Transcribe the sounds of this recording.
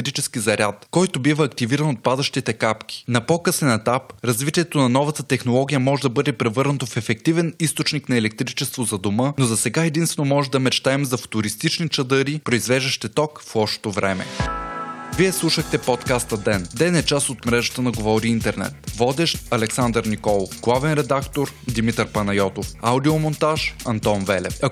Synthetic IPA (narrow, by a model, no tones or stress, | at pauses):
ɾit͡ʃɛskizɐɾʲat̪kɔjt̪obivɐːkt̪iviɾənot̪̚pad̪ɐʃt̪it̪ɛkapk̟i̥nɐpokɤsɛnɛt̪apɾɐzvit̪ʲiɛt̪onɐnɔvət̪ət̪ɛxnolˠɔɡʲijəmɔʒɛd̪ɐbɤd̪ɛpɾɛvɤɾnət̪ofɛfɛk̚t̪ivɛnist̪ot͡ʃniknɐɛlɛk̚t̪ɾit͡ʃɛst̪vozɐd̪omɤnozɐsɛɡaɛd̪inst̪vɛnomɔʒɛd̪ɐmɛt͡ʃt̪aɛmzɐfo̥t̪ʊɾist̪it͡ʃnit͡ʃɐd̪ɤɾipɾoizvɛʒd̪ɛʃt̪ɛt̪ɔkfɔʃt̪t̪ovɾɛmɛ̰ | viɛslˠuʃəxt̪ɛpɔt̪kast̪ɐd̪ɛnd̪ɛnɛt͡ʃasot̪mɾɛʒə̥t̪ənɐɡovɔɾiint̪ɛɾnɛ̰t̪vɔd̪ɛʃɐlɛksand̪əɾnikɔlˠofɡlˠavɛnɾɛd̪akt̪oɾd̪imit̪əɾpɐnɐjɔt̪ofaʊd̪iomont̪aʃɐnt̪ɔnvɛlɛ̰fɐ